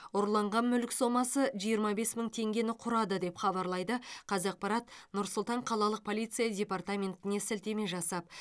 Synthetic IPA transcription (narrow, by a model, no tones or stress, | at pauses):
oɾlˠɑɴʁɑnmʏlkʲso̞mɑsəʒijəɾmɑbe̞sməɴt̪ʰe̞ŋɡʲe̞nɪqʰʊɾɑd̪əd̪e̞pχɑβɑɾlˠɑjd̪əqʰɑzɑq̚pɑɾɑt̪nʊɾsʊlˠt̪ɑɴqʰɑlˠɑlˠəq̚pʰo̞lijt̪sɨjadʲe̞part̪amʲe̞nt̪ɪne̞sɪlt̪e̞me̞ʒɑsɑp̚